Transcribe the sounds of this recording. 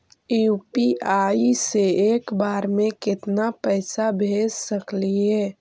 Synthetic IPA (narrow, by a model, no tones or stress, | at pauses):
jupiaiseeːkbaːɾmẽkɪt̪napɛːsabʱed͡ʒsəkliɦɛː